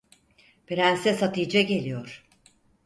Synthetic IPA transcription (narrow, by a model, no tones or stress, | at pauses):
beɾænsɛsat̪ʰɯjd͡ʒaɟe̞lʲijoɾ̥